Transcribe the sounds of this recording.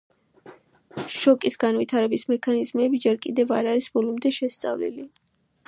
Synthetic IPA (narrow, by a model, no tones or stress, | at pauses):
ʃɔkʼisɡanvit̪ʰaɾɛbismɛkʰanizmɛbid͡ʒɛɾkʼid̪ɛvaɾaɾisbɔlˠɔmd̪ɛʃɛst̪sʼa̰vlḭli